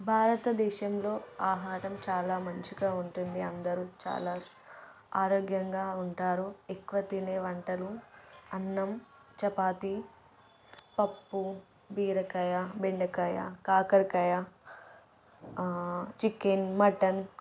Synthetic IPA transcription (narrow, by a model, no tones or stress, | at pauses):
bʱaːɾɐt̪ɐd̪ɛːʃɐmlo̞ːaːɦaːɾɐmt͡ʃaːlaːmɐɲt͡ʃiɡaːuɳʈund̪iɐnd̪ɐɾut͡ʃa̰ːlaː | aːɾoːɡjɐŋɡaːuɳʈaːɾuekːuʋɐt̪ineːʋɐɳʈɐluɐnːɐm | t͡ʃɐpaːt̪i | pɐpːu | biːɾɐkɐjabeɳɖɐkɐja̰kaːkɐɾkɐja | t͡ʃikenmɐʈɐn